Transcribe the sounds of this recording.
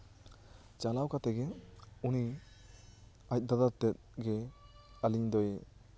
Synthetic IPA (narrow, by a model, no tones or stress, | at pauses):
t͡ʃalawkat̪ɛɡɛuni | ac̚ˀd̪ad̪at̪ɛt̪̚ɡɛaliɲd̪ɔj